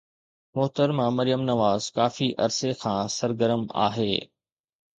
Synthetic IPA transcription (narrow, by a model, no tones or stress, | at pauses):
mʊɦt̪əɾmãmɐɾijəmnɐʋaːzkaːfiʔɐ̰ɾsekʰãːsɐɾɡəɾəma̰ːɦeː